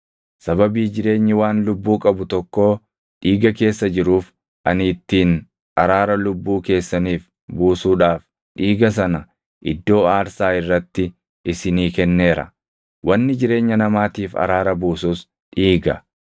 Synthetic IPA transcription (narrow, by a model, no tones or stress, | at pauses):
sɐbɐbiːd͡ʒɪɾe̞ːɲːɪwaːnlʊbːuːkʼɐbʊt̪ɔkːo̞ː | ᶑiːɡɐke̞ːsːɐd͡ʒɪɾuːf | ʔɐ̰niːt̪ːiːn | ʔɐɾaːɾɐlʊbːuːke̞ːsːɐniːf | buːsuːᶑaːf | ᶑiːɡɐs̬ɐnɐ | ʔɪd̪ːo̞ːaːɾsaːɪrːɐt̪ːɪ | ʔɪsɪniːkɛnːe̞ːɾɐ̰ | wʔɐnːɪd͡ʒɪɾe̞ːɲːɐnɐmaːt̪iːfɐ̰ɾaːɾɐbuːsuːs | ᶑiːɡɐ